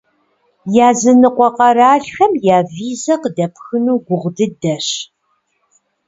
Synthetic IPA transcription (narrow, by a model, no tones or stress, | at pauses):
jaːzɨnɨqʷɔqɐɾaːɬxɐmjaːviːzɐqədɐpʰxɨnuːɡʷʊʁdɨdɐɕ